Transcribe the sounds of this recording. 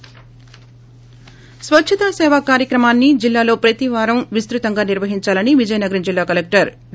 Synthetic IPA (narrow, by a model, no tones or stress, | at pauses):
sʋɐtːt͡ʃʰɐt̪asɛːʋaːkaːɾjɐkɾɐmaːnːid͡ʒilːaːlo̞ːpɾɐt̪iʋaːɾɐmʋist̪ɾut̪ɐŋɡaːniɾʋɐɦiɲt͡ʃaːlɐniʋid͡ʒɐjnɐɡɐɾind͡ʒilːaːkɐlek̚ʈɐɾ